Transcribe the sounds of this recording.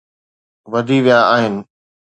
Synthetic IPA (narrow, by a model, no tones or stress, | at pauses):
ʋɐd̪ʱiʋijaaːɦɪnɪ̆